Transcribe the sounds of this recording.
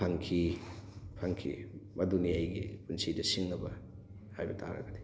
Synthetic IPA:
aŋkʰi | pʰaŋkʰḭmɐdunijajɡḭpunsidɐsiŋnɐbɐ | hajbɐtʰa̰ɾɐ̰ɡɐdi̥

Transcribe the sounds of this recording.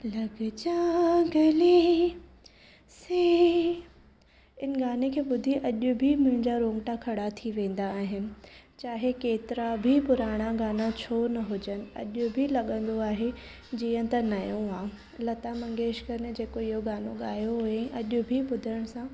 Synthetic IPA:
lɐɡd͡ʑaːɡɐli | seː | ɪn̆ɡaːnekʰeːɓʊd̪ʱiʔɐʄʊ̆bʱimʊ̃ɦɪ̃ɲd͡ʑaɾõːŋɡʈakʰɐɽat̪ʰiʋẽːn̆d̪aːɦɪnɪ̆t͡ɕaːɦekeːt̪ɪɾabʱipʊɾaːɽ̃aɡaːnat͡ɕʰoːnɐɦʊd͡ʑənɪ̆ɐ̰ʄʊbʱilɐɠə̃nd̪oaːɦe | d͡ʑiːə̃t̪ɐnɐjõaː | lɐt̪amɐ̃ŋɡeːʃkɐɾnd͡ʑeːkoɪɦoɠaːnoɠaːjoɦʊɦeɛ̃ʔɐʄʊbʱiɓʊd̪ʱəɽ̃sã

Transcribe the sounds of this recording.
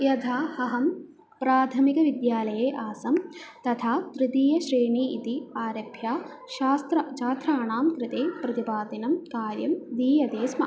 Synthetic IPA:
jɐt̪ʰaːhɐɦɐm | pɾaːt̪ʰɐmikɐʋid̪jaːlɐjeːʔaːsɐmt̪ɐt̪ʰaːt̪ɾɪd̪iːjɐʃɾeːɳiit̪iaːɾɐbʱjaː | ʃaːst̪ɾɐt͡ʃaːt̪ɾaːɳaːmkɾɪt̪eːpɾɐt̪ipaːd̪inɐmkaːɾjɐmd̪iːjɐd̪eːsmɐ

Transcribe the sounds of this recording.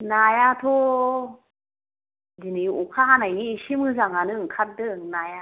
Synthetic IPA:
najat̪ʰo | d͡ʒiniukʰaɦanajniːɕimɯzaŋanɯkʰat̚dɯŋnaja

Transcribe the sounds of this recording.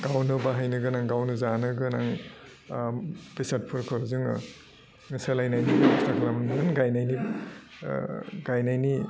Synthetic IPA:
ɡ̥awnɯbaɦajnɯɡɯnaŋɡawnɯzanɯɡɯnaŋ | b̥isat̚pʰɯɾkʰɯzɯŋɯ̰ | ŋɯsalajnajnibstaɡɾamnɯnɡajnajni | ɡajnajni

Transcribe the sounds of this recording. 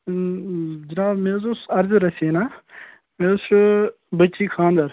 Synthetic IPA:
d͡ʒɐnaːbmẽːzʊsɐɾzɾɐsinaː | mẽːʊs | bɐtːʃiːkʰãːnd̪ɐɾ

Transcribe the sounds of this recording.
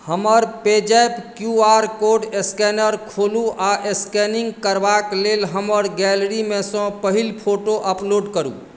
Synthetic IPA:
həməɾped͡ʒajpkjuaɾkoɖeskɛnəɾkʰoluʔaʔeskɛniŋɡkəɾbaklelɦəməɾɡɛlɾimesɔ̃pəɦilpʰoʈoʔəploɖkəɾṵ

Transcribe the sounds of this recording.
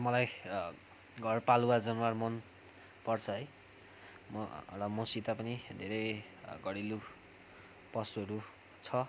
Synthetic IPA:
mʌlaj | ɡʱʌrpaluwad͡zʌnwarmʌn | pʌrt͡sʰʌʌj | mrʌmʌsit̪apʌnid̪ʱeɾʌj | ɡʌɽilu | pʌsuʌɾu | t͡sʰʌ

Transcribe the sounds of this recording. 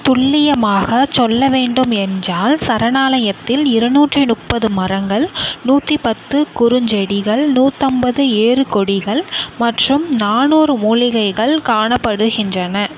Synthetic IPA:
t̪ʊɭːɪjɐmaːɣɐt͡ʃɔlːɐʋeːɳɖɯmɛndraːlsɐɾɐnaːlɐjɐt̪ːɪlɪɾɐnuːʈrɯnʊʈ̚pːɐðɯmɐrɐŋɡɐɭnuːʈripɐt̪ːɯkʊɾʊɲd͡ʒɐɽɪɣɐɭnuːt̪ːɐmbɐðɯeːrɯkɔɽɪɣɐɭmɐʈrɯmnaːnuːɾɯmuːlɪɣɐɪɣɐɭkaːɳɐpːɐɽɯɣɪndrɐnɐ

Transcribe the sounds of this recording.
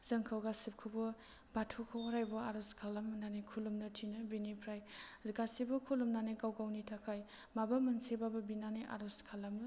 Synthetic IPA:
zɐŋkʰawɡasip̚kʰɯbɔ | batʰukʰɔwaɾajbɔaɾɔskʰalamɯnanajkʰulumnɐtʰinɯbinipʰɾajɡasibɔkʰulumnanajɡawɡawnitʰakʰaj | mabɐmɐnsebabɐbinanajʔa̰ɾɔskʰalamɯ

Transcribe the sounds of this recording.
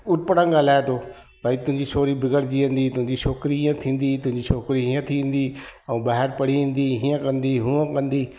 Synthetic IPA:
ʊʈ̚pəɽãɡaːlaːet̪ʰoː | bʱaːit̪ʊ̃ɦɪ̃ɲd͡ʑit͡ʃʰoːɾibɪɡəɽd͡ʑiə̃n̆d̪it̪ʊ̃ɦɪ̃ɲd͡ʑiʃoːkɾiɦiːə̃t̪ʰĩːn̆d̪it̪ʊ̃ɦɪ̃ɲd͡ʑiʃʰoːkɾiɦiːə̃t̪ʰiʋẽːn̆d̪iɛ̃ːbaːɦɪɾpɐɽ̤iʋĩːn̆d̪iɦiːə̃kɐ̃nd̪iɦũə̃kɐ̃nd̪iː

